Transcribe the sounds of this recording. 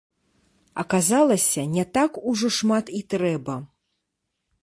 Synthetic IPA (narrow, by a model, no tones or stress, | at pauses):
ɐkazalˠɐsʲɐnʲɛt̪akuʐɔʂmat̪it̪ɾɛbɐ